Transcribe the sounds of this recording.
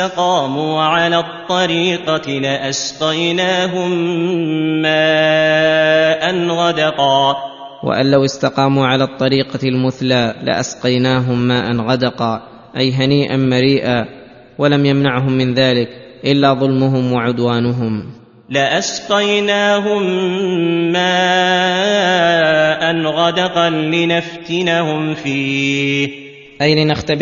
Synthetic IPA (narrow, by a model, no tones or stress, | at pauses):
ɑqɑːmuːʕalaːt̪ˤːɑɾiːqɑlɪʔasqɑjnaːɦʊmː | aː | ʔanɣɑd̪ɑqɑː | wa̰ʔa̰nlawɪst̪ɑqɑːmuːʕalaːt̪ˤːɑɾiːqɑlmʊθlaːlɪ̰ʔa̰sqɑjnaːɦʊmːaːʔanɣɑd̪ɑqɑː | ʔajɦaniːʔanmaɾiːʔaː | walamjamnaʕɦʊmːɪnðaːlɪk | ʔɪlːaːðˤʊlmʊɦʊmwaʕʊd̪waːnʊɦʊm | lɪʔasqɑjnaːɦʊmː | aː | ʔanɣɑd̪ɑqɑnlɪnaft̪ɪnahʊmfiː | ʔajlɪnaxt̪a